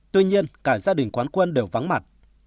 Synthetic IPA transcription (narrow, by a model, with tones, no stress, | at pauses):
t̪wi˧ɲi˧ənkaː˧˩zaː˧ɗï˨˩ŋ̟kwaː˨˦nkwə˧nɗe˨˩wva˨˦nma˨˩t̚